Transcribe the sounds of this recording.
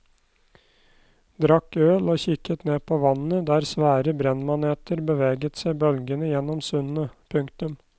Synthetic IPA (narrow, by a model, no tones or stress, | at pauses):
d̪ɾɑkːøːloːçɪkːət̪neːpʰoːʋɑnːəd̪æːɾsʋæːɾəbɾɛnmɑneːt̪ʰəɾbəʋeːɡət̪sæɪbœlɡənəjɛnɔmsʉnnəpʰʉŋkt̪ʉm